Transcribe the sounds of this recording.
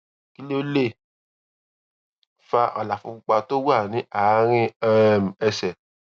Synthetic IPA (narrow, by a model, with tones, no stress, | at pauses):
ki˦le˦o˦le˦˨ | fa˧ʔa˨la˨fu˧k͡pu˧k͡pa˧to˦wa˦˨nĩ˨˦a˨˦ɾ̃ĩ˦ɛ˦m̩˨ɛ˧sɛ˨